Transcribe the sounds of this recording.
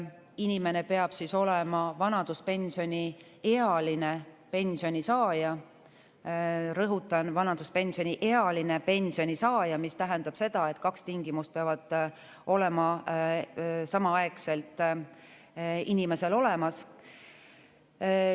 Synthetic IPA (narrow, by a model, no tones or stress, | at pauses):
inime̞ne̞pe̞ɑb̥siso̞lemɑvɑnɑd̪̥uspe̞nʲsio̞nʲi | e̞ɑline̞ | pe̞nʲsio̞nʲisɑːjɑ | ɾɤɦut̪ːˑɑnvɑnɑd̪̥uspe̞nʲsio̞nʲiʔe̞ɑline̞pe̞nʲsio̞nʲisɑːjɑmist̪æɦe̞nd̪̥ɑb̥se̞d̪̥ɑe̞t̪ˑkɑkst̪iŋɡimust̪̚peɑvɑd̪̥ | o̞le̞mɑ | sɑmɑɑekse̞lt̪ˑ | inime̞se̞lo̞le̞mɑs